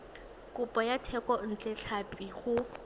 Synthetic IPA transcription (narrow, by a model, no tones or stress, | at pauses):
kʊpʼɔjatʰɛkɔn̩t͡ɬʼɛɬʰapʼiχʊ